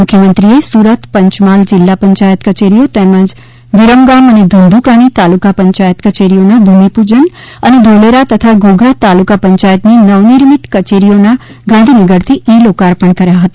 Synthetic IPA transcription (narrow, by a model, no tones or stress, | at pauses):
mʊkʰjəmə̃nt̪ɾiesuːɾət̪pɐ̃ɲt͡ʃmaːld͡ʒɪlːapɐɲt͡ʃaːjət̪kɐt͡ʃeːɾijot̪ɛːmə̃d͡ʒ | ʋɪɾəmɡaːmɐned̪ʱə̃nd̪ʱukaːnit̪aːlukapɐ̃ɲt͡ʃaːjət̪kɐt͡ʃeːɾijonabʱuːmipuːd͡ʒən | ɐned̪ʱoːleɾat̪ɐt̪ʰaɡoːɡʱat̪aːlukapɐ̃ɲt͡ʃaːjət̪ninɐʋniɾmɪt̪kɐt͡ʃeːɾijona | ɡãnd̪ʱiniɡəɾt̪ʰiiːloːkaːɾpəɳ̃kɐɾjaɦɐt̪ḁ